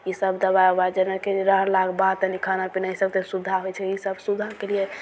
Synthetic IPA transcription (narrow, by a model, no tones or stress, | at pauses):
isəbd̪əbabad͡ʒənəkeɾəɦɾlakʰbat̪ənikʰanapinaisəb̚t̪esud̪ʱaɦojt͡ʃʰɛisəbsud̪ʱakelie